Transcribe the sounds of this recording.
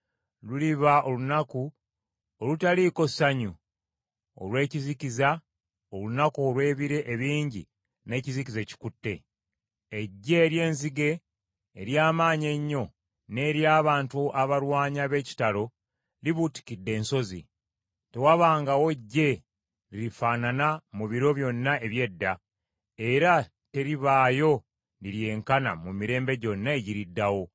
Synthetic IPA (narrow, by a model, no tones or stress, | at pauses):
luliβaʔo̞lunaku | olutaliko̞saɲu | o̰lwe̞ːciziciza | olunakoːlwe̞ːβiɾe̞ʔːβiːɲɟḭ | ne̞ːcizikize̞ci̥kutːe̞̰ | eɟːe̞ːɾje̞ːnziɡe̞ː | ɾjaːmaːɲe̞ɲːo̞ | ne̞ɾjaːβaːntuaβaɾwaːɲaβe̞ːci̥talo̞ | liβuti̥kidːe̞ːnso̞zi | te̞waβaːŋɡawo̞ɟːe̞ | liɾifaːnanamuβiɾo̞βjo̞nːae̞βje̞dːa | e̞ɾa | te̞ɾiβaːjo̞ | liɾje̞ːŋkana̰mumiɾe̞ːmbe̞ɟo̞nːaeɟiɾidːawo̞